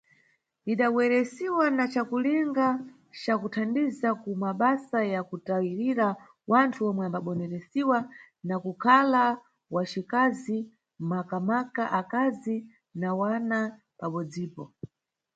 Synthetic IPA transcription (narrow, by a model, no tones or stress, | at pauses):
iɗawɛɾɛsiwanat͡ʃakuliŋɡa | t͡ʃakutʰandizakumaɓasajakutawiɾiɾa | wantʰuɔmwɛambaɓɔnɛɾɛsiwa | nakukʰala | wat͡ʃikazi | makamakaʔakazi | nawana | paɓɔd͡ziːpɔ